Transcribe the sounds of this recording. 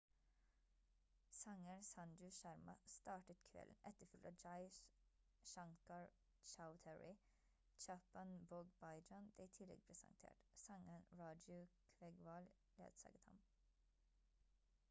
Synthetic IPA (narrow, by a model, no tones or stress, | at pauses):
sɑŋənsɑnd͡ʒʉʃæɾmɑst̪ɑːʈət̪kʰʋɛ̰ln̩ʔɛt̪əfʏlt̪ɑd͡ʒɑɪs | ʃɑŋkɑɹ | t͡ʃaʊt̪ʰɛɹɪ | d͡ʒɑpɑnboːɡbɑɪd͡ʒɑnbliːt̪ʰɪlɛ̰ɡ̚pʰɾɛsə̰nt̪ʰḛːʈsɑŋənɹɑːd͡ʒʉkʰʋɛɡʋɑl | lḛːd̪̥sɑ̰ːɡət̪hɑ̰m